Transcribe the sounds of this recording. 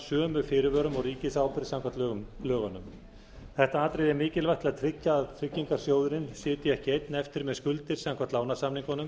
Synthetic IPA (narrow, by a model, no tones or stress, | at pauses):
sœːmʏfɪːɾɪvœːɾʏmɔɣriːcɪsaːwpɪɾ̥saŋkʰvat̪lœɣʏmlœːɣanʏm | θɛht̪aaːt̪ɾejðɛɾmɪːcɪlvajht̪lɪaðt̪ʰɾɪcːaːðt̪ʰɾɪcːiŋkaɾ̥sjowðʏɾɪnsɪːt̪ɪjɛhcɪejt̪nɛft̪ɪɾmɛðskʏlt̪ɪɾ̥saŋkvaɾt̪laːwnasamniŋkanʏm